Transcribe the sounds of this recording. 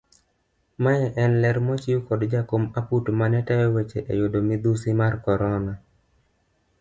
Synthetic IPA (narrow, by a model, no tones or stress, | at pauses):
maɛʔɛnlɛɾmɔt͡ʃɪukɔdd͡ʒakomaputmanɛtɛjɔwet͡ʃeʔḛjodomid̪usimarkɔɾɔna